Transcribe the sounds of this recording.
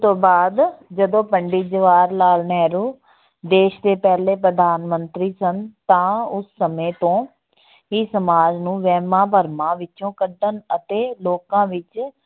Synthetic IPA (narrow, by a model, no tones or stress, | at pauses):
t̪õːbaːd̪d͡ʒəd̪õːpəɳɖiːd͡ʒəʋaːɾlaːlnɛːɾuː | d̪eːʃd̪eːpɛːleːpɾəd̪aːnmənt̪ɾiːsənt̪ãːʊsːəmẽːt̪õː | iːsəmaːd͡ʒnũːʋɛːmãːpəɾmãːʋɪt͡ʃõːkəɖənət̪eːloːkãːʋɪt͡ʃ